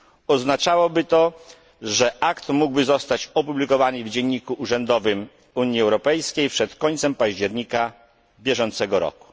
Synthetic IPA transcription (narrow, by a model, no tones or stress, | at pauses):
ɔznat͡ʂawɔbɘt̪ɔ | ʐɛʔakt̪muɡbɘzɔst̪at͡ɕɔpublʲikɔvanɨvd͡ʑɛɲːikuʔuʐɛnd̪ɔvɘm | uɲiɛwɾɔpɛjskʲejpʂɛt̪kɔɲʲt̪sɛmpaʑd͡ʑɛɾɲika | bʲjɛʐɔnt̪sɛɡɔɾɔ̰ku̥